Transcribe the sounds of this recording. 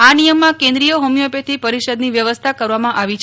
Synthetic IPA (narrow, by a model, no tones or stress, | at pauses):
anijəmːãkẽnd̪ɾijoɦomijopet̪ʰipəɾiʃəd̪niʋjəʋəst̪ʰakəɾʋamãʔaʋit͡ʃʰ